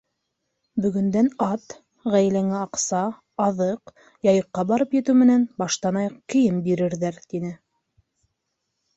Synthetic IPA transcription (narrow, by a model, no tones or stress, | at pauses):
bɵ̆ɡɵ̆nd̪ænɑt̪ | ʁæjlæŋæɑqsɑː | ðɤq | jɑjɤ̆qːɑbɑɾɤpjɘ̆t̪ɘwmɘ̆nænbɑʃt̪ɑnɑjqɘ̆jɘmbiɾɘ̆ɾðæɾt̪inɘ